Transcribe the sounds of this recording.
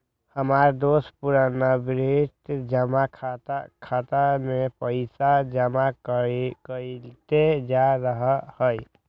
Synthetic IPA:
həmaɾd̪ospuɾanabɾiʈd͡ʒəmakʰat̪kʰat̪amepəɪsad͡ʒəma | kəlt̪ed͡ʒaɾəɦəhəj

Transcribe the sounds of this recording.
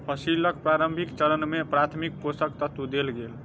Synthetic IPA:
pʰəsiləkpɾaɾəmbʱikt͡ʃəɾənmepɾat̪ʰmik̚posəkt̪ət̪ud̪elɡel

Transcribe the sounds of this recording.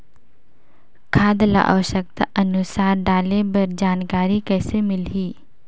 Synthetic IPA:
kʰaːd̪la̰ʔa̰ʋəʃək̚t̪aʔɐnʊsaːɾɖaːlebɐɾd͡ʒaːnkaːɾikɛːsemɪlɦiː

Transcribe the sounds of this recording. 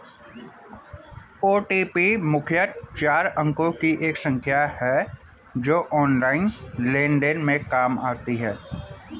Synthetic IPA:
oːʈiːpimʊkʰjət̪t͡ʃaːɾə̃ŋkõkiʔeːksə̃ŋkʰjahɛː | d͡ʒoːʔɔːnlaːɪnlẽːɳɖənmẽkaːmaːt̪iɦɛː

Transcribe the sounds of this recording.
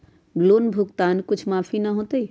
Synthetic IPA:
ɡloːnbʱʊkt̪aːnkʊt͡ʃʰmaːfʰinəɦõt̪əi

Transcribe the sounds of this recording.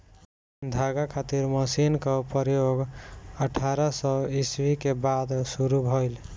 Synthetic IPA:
d̪ʱaɡakʰat̪iɾməsinkɔpəɾjoɡəʈʰaɾəsɔiswikebad̪suɾubʱɔjl

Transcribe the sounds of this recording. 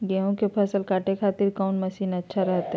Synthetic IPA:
ɡeõkepʰɐsəlkaːʈekʰaːt̪ɪɾkaːnmɐsiːnɐtːʃʰaɾɛɦt̪ɦɛ

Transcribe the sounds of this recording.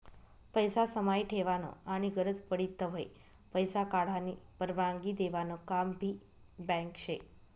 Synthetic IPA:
pəjsasəmajʈʰeʋano̰aɽ̃iɡəɾəd͡zpəɽit̪ːəɦoj | pəjsakaɽ̤anipəɾʋãŋɡid̪eʋanokambʱi | bɛ̃ŋkʃʰe

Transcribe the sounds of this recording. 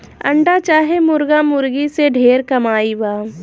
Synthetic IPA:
ɐ̰̃ɳɖat͡ʃaːɦemʊɾɡamʊɾɡiseɖʱeːɾkɐmaːibaː

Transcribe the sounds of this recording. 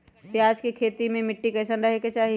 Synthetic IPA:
pjaːd͡ʒkikʰeːt̪imẽmɪʈːikɐsənɾɐɦeket͡ʃaːɦi

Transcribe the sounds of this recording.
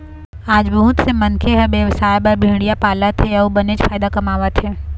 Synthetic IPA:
aːd͡ʒbɐɦʊt̪semɐnkʰeɦɛbeːʋəsaːjbɐɾbʱĩːɽijapaːlət̪ɦeubɐned͡ʒfaːɪd̪akɐmaːʋət̪ɦɛː

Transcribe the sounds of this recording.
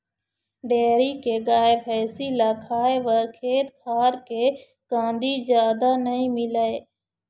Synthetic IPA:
ɖeːɾiːkeːɡaːeːpʰɛːsiːlaːkʰaːeʋəɾkʰeːt̪kʰaːɾkeː | kãːnd̪iːzjaːd̪aːnəĩːmɪlaeː

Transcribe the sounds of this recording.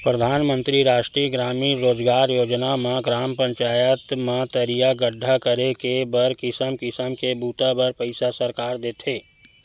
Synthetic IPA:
pɾəd̪ʱaːnmə̃nt̪ɾiɾaːʃʈɾiːəɡɾaːmiɾoːd͡ʒɡaːɾjoːd͡ʒnamãɡɾaːmpə̃ɲt͡ʃaːjət̪mãt̪əɾijaɡəɖʱːakəɾekebəɾkɪsəmkɪsəmkebuːt̪abəɾpəɪsasəɾkaːɾd̪eːt̪ʰeː

